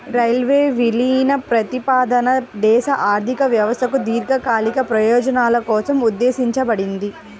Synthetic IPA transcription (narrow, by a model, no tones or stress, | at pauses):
ɾɐjlʋeːʋiliːnɐpɾɐt̪ipaːd̪ɐnɐd̪ɛːʃɐʔaːɾd̪ʱikɐʋjɐʋɐst̪ʰɐkud̪iːɾɡɐkaːlikɐpɾɐjɔːd͡ʒɐnaːlɐkɔːsɐmud̪ːeːsiɲt͡ʃɐbɐɽind̪i